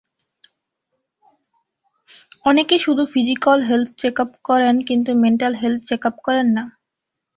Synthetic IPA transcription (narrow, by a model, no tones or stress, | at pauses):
ɔnekeʃud̪ʱufid͡ʑikalɦelt̪ʰt͡ɕekapkɔɾenkint̪umeɳʈalɦelt̪̚ʰt͡ɕekapkɔɾenːa